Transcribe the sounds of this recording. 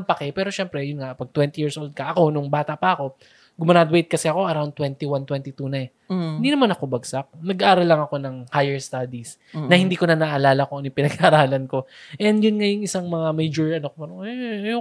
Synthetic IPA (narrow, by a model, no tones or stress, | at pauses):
mpɐkɛpɛːɾo̞ʃɛmpɾɛjʊnŋapɐɡ̚t̪wɛnt̪ijiːɹsʔold̪̚kɐʔɐko̞nʊŋbaːt̪ɐʔpɐʔɐko̞ | ɡʊmɐnad̪wejt̪̚kɐsɛɐko̞ʔɐɾawn̚t̪wɛnt̪iwant̪wɛnt̪it̪unɐɛ | ɪnd̪inɐmanɐko̞bɐɡsak̚nɐɡʔaːɾɐlːɐŋɐko̞nɐŋhajɛɹst̪ad̪is | nɐhɪ̃nd̪iːko̞nɐnaʔːlaːlɐkonjʊpɪnɐɡɐɾaːlɐnko̞ʔɛnd̪jʊnŋajʊŋɪsaŋmɐŋamɛjd͡ʒoɹʔɐnokpɐɾɛjo